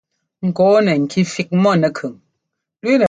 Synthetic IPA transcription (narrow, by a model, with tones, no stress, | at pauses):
ŋ̩˨kɔː˨˦nə˨ŋ̩˨kʰi˦fi˦k̚mɔ˦˨nə˨kʰɯ˨ŋ | lwe˦nə˨